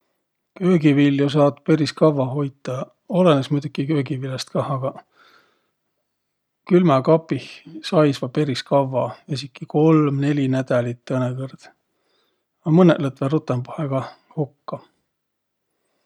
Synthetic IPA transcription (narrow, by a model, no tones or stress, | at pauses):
kø̞ːɡiviljus̬ɑːt̪pe̞ɾiskɑvɑɦo̞jt̪ːˑɑ | o̞lenesmujd̪̥ukikø̞ːɡivilest̪̚kɑɑɡɑ | kylmɑkɑpːihsɑjsvɑpe̞ɾiskɑvːɑes̬ikːˑiko̞lmne̞lʲinæd̪̥ɑlit̪ˑːɤnekɤrd̪̥ | ɑmɤnḛʔlɤt̪verut̪ːˑempoheɡ̥ɑ | hukːɑ